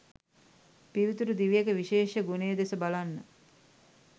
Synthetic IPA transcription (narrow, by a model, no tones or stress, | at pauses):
piʋit̪uɾud̪iʋijekəʋiʃeːʃəɡunejːd̪esəbalanːə